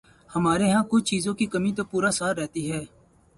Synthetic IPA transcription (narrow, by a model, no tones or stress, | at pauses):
həmaːɾeːɦãːkʊt͡ʃʰt͡ʃiːzõːkiːkəmĩːt̪oːpuːɾaːsaːɾːɛːt̪iːɦɛː